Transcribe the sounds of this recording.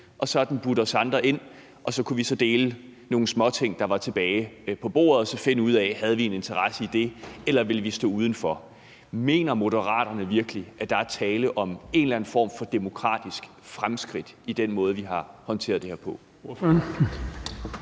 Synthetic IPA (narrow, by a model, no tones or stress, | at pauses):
ʔɒ̽sɒ̽d̥n̩b̥uɾ̥ɒ̽sɑ̈nd̥ʁɐʔe̝n̰ | ʔɒ̽sɒ̽kʰuʋisɒ̽d̥e̝ːləno̝ːn̩smɒ̽t͡sʰe̝ŋ̰d̥ɑ̈ʋɑ̈t͡sʰe̝b̥ɛːɪpʰɒ̽b̥o̝̰ːɐð̩ˠɒsɒ̽fe̝nəuð̞̰ˠɛhæð̞ˠʋie̝ne̝nt͡sʰɐʁɑsəid̥e̝elɐʋe̝ləʋisd̥ɔ̰̽ːuːð̞ˠn̩fɒ | me̝̰ːnɐmo̝ɾəʁɑ̰̈ːd̥ɐnəʋiɐɡ̥əliʔæd̥ɑ̈æɐt͡sʰɛːləʔɒ̽me̝nlæn̩fɒ̰ːmfɒ̽d̥e̝mo̝kʰʁɑ̰̈ːd̥isɡ̥ | fʁamsɡ̥ʁid̥id̥enmɔ̽ːð̞ˠʋiɦɑ̈hɒ̽nt͡sʰe̝̰ːɐðˠd̥ehḛɐpʰɒ̽ | n